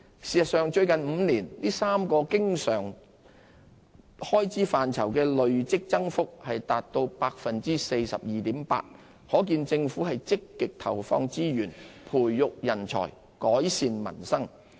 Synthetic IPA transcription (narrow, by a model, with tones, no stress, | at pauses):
siː˨sɐ˨tsœː˨ŋt͡ʃɵ˧ɥkɐ˨nm̩ː˨˧niː˨˩nliː˥saː˥mkɔː˧kɪ˥ŋsœː˨˩ŋ | hɔː˥jt͡siː˨˥faː˨nt͡sʰɐ˨˩wkɛː˧lɵ˨ɥt͡sɪ˥k̚t͡sɐ˥ŋfʊ˥k̚hɐ˨jt̪aː˨t̚t̪o˧wpaː˧k̚fɐ˨nt͡siː˥se˧jsɐ̰˨p̚jiː˨t̪iː˨˥mpa̰ː˧t̚ | hɔː˨˥k̬iː˧nt͡sɪ˧ŋfuː˨˥hɐ˨jt͡sɪ˥kːɪ˨k̚t̪ʰɐ˨˩wfɔ̰ː˧ŋt͡siː˥jyː˨˩npʰuː˨˩jːʊ˨k̚jɐ˨˩nt͡sʰɔ̰ː˨˩j | kɔː˨˥jsiː˧nmɐ̰˨˩nsɐ˥ŋ